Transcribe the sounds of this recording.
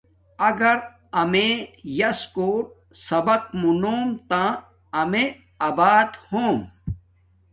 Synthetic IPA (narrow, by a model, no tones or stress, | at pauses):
ɐɡɐɾ | ɐmẽjɐskoːɾ̚ | sɐbɐkmunoːmt̪ãː | ɐmẽ | ɐbaːd̪hõːm